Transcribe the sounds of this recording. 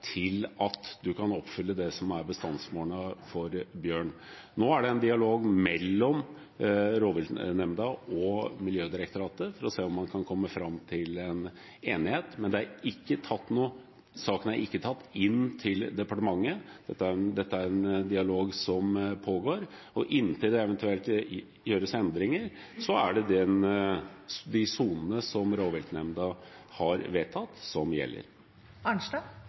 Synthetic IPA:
t̪ʰɪlɑt̪d̪ʉkʰɑnɔpfʏlːəd̪ɛsɔmæɾbəst̪ɑnsmoːɳəfɔɾbjøːɳ | noːæɖɛɛnd̪ɪɑloːɡmɛlːɔm | ɾoːʋɪlnɛmd̪ɑɔmɪljøːd̪ɪɾəkt̪ʊɾɑːt̪əfɔɾɔseːɔmːɑnkʰɑnkʰɔmːəfɾɑmt̪ʰɪlɛn | eːnɪheːt̪mɛnd̪ɛæɾɪkːət̪ʰɑt̪ːnuːə | sɑːkənæɾʔɪkːət̪ʰɑt̪ːɪnːt̪ʰɪld̪ɛpɑʈəmɑŋːəd̪̥ɛt̪ːəæɾnd̪ɛt̪ːəæɾɛnd̪ɪɑloːɡsɔmpʰoːɡoːɾ | ɔʔɪnːt̪ʰɪld̪ɛɛʋɛnt̪ʉɛlt̪ | jøːɾəsɛnd̪ɾɪŋəɾ | sɔæɖɛd̪ɛn | d̪ɪsuːnənəsɔmɾoːʋɛlt̪nɛmd̪ɑhɑɾʋeːt̪ʰɑt̪ːsɔmjɛ̰lːə̰ɾ | ɑnʂdɑ

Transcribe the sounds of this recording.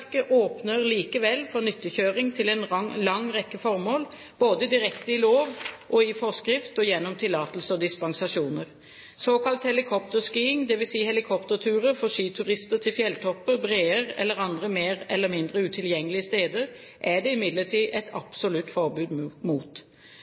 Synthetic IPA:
kəʔoːpnəʁliːkəʋɛlːfɔnʏt̪ːəçøːɾɪŋt̪ʰɪlɛnlɑŋʁɛkːəfɔɾmoːl | b̥oːd̪əd̪ɪɾɛkt̪əɪloːʋʔɔɪfɔskɾɪft̪ɔjɛnːɔmt̪ʰɪlɑːt̪əlsəɔd̪ɪspɑŋsɑʂuːnəʁ | soːkɑlt̪hɛlɪkʰɔpt̪əʁskiːɪŋd̪ɛʋɪlsiːəhɛlɪkʰɔpt̪əɾt̪ʰʉːʁəfɔʂiːt̪ʰʉʁɪst̪əɾt̪ʰɪlfjɛlt̪ʰɔpːəɾbʁeːəʁɛ̰lːəʁɑnd̪ʁəmeːɾɛlːəmɪnd̪ɾəʉːt̪ʰɪljɛŋːəlɪəst̪eːd̪əɾ | ʔæɖɛɪmɪd̪ləʈʰiːʔɛt̪ʰɑpsʊlʉt̪ːfɔɾbʉːd̪muːt̪

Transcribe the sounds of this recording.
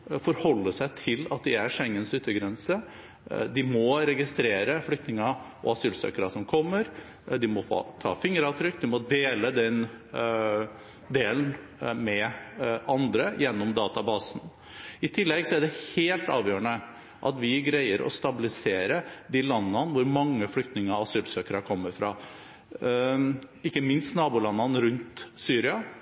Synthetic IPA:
fɔɾhɔlːəʂæɪt̪ʰɪlɑt̪̚d̪ɪæɾʂɛŋːənsʉt̪ːəɡɾɛnsə | d̪ɪmɔɾɛɡɪst̪ɾeːɾəflʏk̚t̪nɪŋɑɔ̰ɑsyːlsø̰ːkəɾɑsɔmkʰɔmːəɾ | d̪ɪmɔfo̰ːt̪ʰɑ̰ːfɪŋːəɾɑʋt̪ʰɾʏkːd̪ɪmɔd̪eːləd̪ɛn | d̪eːln | mɛ | ɑnd̪ɾəjɛnːɔmd̪ɑːt̪ɑbɑːsn | ɪt̪ʰɪlːɛɡsɔæɖɛheːlt̪ɑːʋjøːɾəɳə | ʔɑt̪ʋɪɡɾæɪəɾʔɔ̰st̪ɑbɪlɪseːɾəd̪ilɑnːɑnʋʊɾmɑŋːəflʏkt̪nɪŋəɾɑsyːbsøːkəɾɑkʰɔmːəɾfɾɑː | ɪkːəmɪnst̪nɑːbuːlɑnːɑnɾʉnt̪syːɾɪɑ

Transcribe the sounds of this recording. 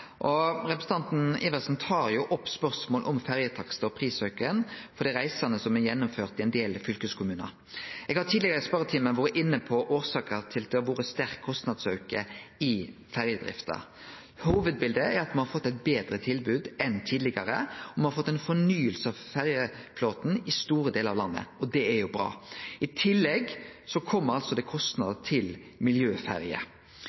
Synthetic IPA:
ʔɔɾɛpɾəsn̩t̪ɑnt̪n̩ɪʋɛsn̩t̪ʰɑːɾjʊʔɔpːspœɾsmoːlʔɔmfæʁjət̪ʰɑksəɔpʰʁiːsœʉkəənfɔɾd̪iːʁæɪsɑnəsɔmɛjɛnːʊmføːʁt̪ɪɛnd̪eːlfʏlkəskʰʊmʉːnə̰ɾ | ʔɛɡhɑt̪ʰiːd̪lɪɡɑɾəspœɾət̪ʰiːmənʋoːɾəʔɪnːəpʰɔʔoːɾsɑːkəɾt̪ʰɪld̪ɛɔʋoːɾəst̪æɾkʰːɔst̪nɑd̪sœʉkəɪ | fæʁjəd̪ʁɪ̰ft̪ɑ̰ | huːʋəd̪̚bɪld̪əæɾɑt̪mɑnhɑɾfɔt̪ːɛɪbeːd̪ɾət̪ʰɪlbʉːd̪ɛnt̪ʰiːd̪lɪɡɑɾəɔmɑnhɑɾfɔt̪ːɛɪnfɔɳyːəlsəɑʋfæɾjəfloːt̪n̩ɪst̪uːɾəd̪eːlɑʋlɑnːə̰ɔd̪ɛæɾjʊbɾɑ̰ːɪt̪ʰɪlːɛɡsɔkʰɔmːəɾɑlsɔd̪ɛkʰɔst̪nɑd̪t̪ʰɪl | mɪljøːfæ̰ɾjə̰

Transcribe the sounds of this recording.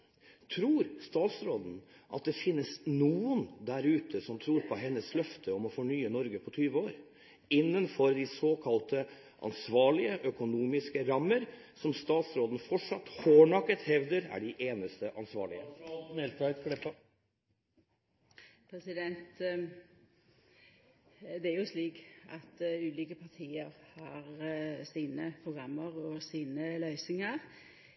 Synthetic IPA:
t̪ʰɾuːɾst̪ɑːt̪sɾoːd̪n̩ | ʔɑ̰t̪̚d̪ɛfɪnːəsnuːʊnd̪æɾʉːt̪ʰəsɔmt̪ʰɾuːɾpʰɔɦɛnːəslœft̪ʰəɔmɔfɔɳyːənɔɾɡəpʰɔt̪ʰyːʋəoːɾ | ɪnːənfɔɾd̪ɪsoːkʰɑlt̪ə | ʔɑ̰nsʋɑːɭɪəʔœkʊnuːmɪskəɾɑmːəɾ | sɔmst̪ɑːt̪sɾoːd̪n̩fɔʈʂɑt̪ːhoːɳɑkːət̪hɛʋd̪əɾæ̰ɖɪʔeːnəst̪əʔɑnsʋɑ̰ːɭɪ̰əmɛlt̪ɑt̪klɛp | pʰɾɛsɪd̪ɛnt̪ | d̪ɛæɾjʊsliːkʔɑt̪ʉːliːkəpʰɑt̪ʰiːəʁhɑːʁsiːnəpʰɾʊɡʁɑmːəʁɔsiːnəlœʏsɪŋəʁ

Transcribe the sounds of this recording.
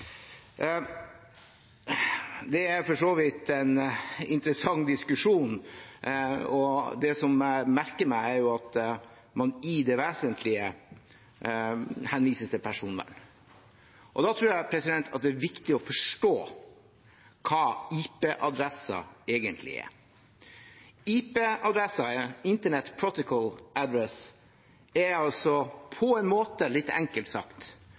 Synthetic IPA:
d̪ɛæɾfɔʂoːʋiːt̪ɛnɪ̰nt̪ɾəsɑŋːd̪ɪskʉʂuːn | ɔd̪ɛsɔmmæɾkəɾmæɪæɾjʊɑt̪ | mɑnɪd̪ɛʋeːsənt̪ʰlɪə | hɛnʋiːsəst̪ʰɪpʰæʂuːnʋæ̰n | ʔɔ̰d̪ɑt̪ʰɾʉːɾjæɪpʰɾɛsɪd̪ɛnt̪ʰɑ̰t̪̚d̪ɛæɾʋɪkt̪ɪɔfɔʂʈoː | kʰɑːiːpeːʔɑd̪ɾɛsɑ̰eːɡənt̪ʰlɪ̰ɛ̰ɾ | iːpeːʔɑd̪ɾɛsɑɪnt̪əɳɛt̪pʰɾɔt̪ɔkʰɔlʔæd̪ɾɛs | ɛɑlsɔpʰɔɛɪnmoːt̪əlɪt̪ːɛ̰ŋkəlt̪sɑ̰kt̪

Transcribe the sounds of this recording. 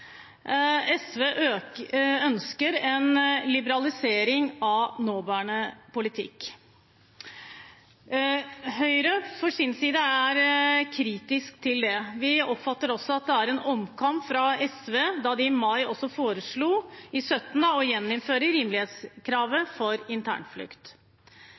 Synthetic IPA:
ɛsʋeːʔø | œnskəɾɛnlɪbəɾɑlɪseːɾɪŋɑnoːbæːɳəpʊlɪt̪ʰɪ̰kː | ɦœʏɾəfɔʂɪnsiːd̪əæɾkʰɾiːt̪ɪskt̪ʰɪld̪ɛʋɪɔpfɑt̪ːəɾɔsːɔɑt̪̚d̪ɛæɾɛnɔmkʰɑmpfɾɑɛsʋeːd̪ɑd̪ɪːmɑɪɔsːɔfoːɾəʂɭuːɪsœt̪ːnəɔjɛnːɪnføːɾəɾiːmlɪheːt̪skʰɾɑːʋəfɔɾɪnt̪ʰæ̰ːɳflʉ̰kt̪

